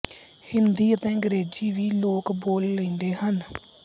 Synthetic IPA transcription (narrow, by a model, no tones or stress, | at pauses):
hɪnd̪iːət̪ẽːɡəɾeːd͡ʒiːʋiːloːkboːlːə̃ĩːnd̪eːhən